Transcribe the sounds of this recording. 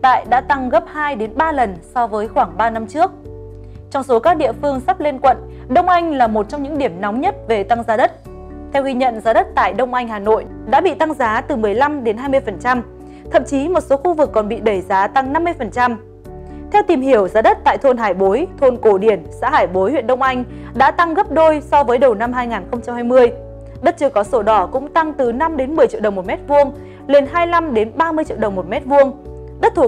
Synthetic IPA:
t̪a̰ː˧˨jɗa̰ː˧˥t̪a˧ŋɣə˦˥p̚haː˧jɗe˨˦nɓaː˧lə˨˩nsɔ˧vəː˨˦jxwaː˧˩ŋɓaː˧na˧mt͡ɕɨ˦˥ək̚ | t͡ɕɔ˧wŋ͡mso˨˦kaː˦˥k̚ɗḭ˧˨əfɨ˧əŋsa˦˥p̚le˧nkwə̰˧˨n | ɗə˧wŋ͡mʔa˧jŋ̟laː˨˩mo˨˩t̚t͡ɕɔ˧wŋ͡mɲɨ̰˧˥ŋɗi˧˩əmnɔ˨˦wŋ͡mɲə˦˥t̚ve˨˩t̪a˧ŋzaː˨˦ɗə˦˥t̚ | t̪ʰɛ˧wɣi˧ɲə̰˧˨nzaː˨˦ɗə˦˥t̚t̪a̰ː˧˨jɗə˧wŋ͡mʔa˧jŋ̟haː˨˩no̰˧˨j | ɗa̰ː˧˥ɓḭ˧˨t̪a˧ŋzaː˨˦t̪ɨ˨˩mɨ˨˩əjla˧mɗe˨˦nhɦaː˧jmɨ˧əjfə˨˩nt͡ɕa˧m | t̪ʰə̰˧˨mt͡ɕi˨˦mo˨˩t̚so˨˦xu˧vɨ˨˩kːɔ˨˩nɓḭ˧˨ɗə˧˩jzaː˨˦t̪a˧ŋna˧mːɨ˧əjfə˨˩nt͡ɕa˧m | t̪ʰɛ˧wt̪i˨˩mɦi˧˩əwzaː˨˦ɗə˦˥t̚t̪a̰ː˧˨jt̪ʰo˧nɦaː˧˩jɓo˨˦jt̪ʰo˧nko˧˩ɗi˧˩ənsa̰ː˧˥haː˧˩jɓo˨˦jhwi˧˨ənɗə˧wŋ͡mʔa˧jŋ̟ | ɗa̰ː˧˥t̪a˧ŋɣə˦˥p̚ɗo˧jsɔ˧vəː˨˦jɗə˨˩wna˧mɦaː˧jŋaː˨˩nxə˧wŋ͡mt͡ɕa˧mhaː˧jmɨ˧əj | ɗə˦˥t̚t͡ɕɨ˧əkɔ˨˦so˨˦ɗɔ˨˧˩kʊ̰˧˥ŋ͡mt̪a˧ŋt̪ɨ˨˩na˧mɗe˨˦nmɨ˨˩t͡ɕḭ˧˨ɗə˨˩wŋ͡mmo˨˩t̚mɛ˦˥t̚vu˧əŋ | le˧˩nɦaː˧jla˧mɗe˨˦nɓaː˧mɨ˧əjt͡ɕḭ˧əɗə˨˩wŋ͡mmo˨˩t̚mɛ˦˥t̚vu˧əŋ | ɗə˦˥t̚t̪ʰu˧˩

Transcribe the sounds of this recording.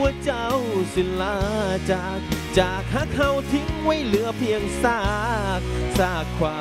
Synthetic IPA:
u˧ət͡ɕa˧˩wsi˨˦nlaː˧˩t͡ɕaː˨˩k̚t͡ɕaː˨˩k̚haː˧˥k̚ha˧˩wt̪ʰi˧˥ŋwa˧˩jlɯ˧˥əpʰi˧əŋsaː˥˩k̚saː˧˩kʰwaː˧

